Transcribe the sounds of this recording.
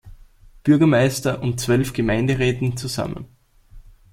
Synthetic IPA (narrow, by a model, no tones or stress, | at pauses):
b̥ʏɐɡɐmaɪstɐʔʊntt͡sv̥œlfɡ̥əmãɪ̃ndəʁɛːtn̩t͡suza̰mə̰̃n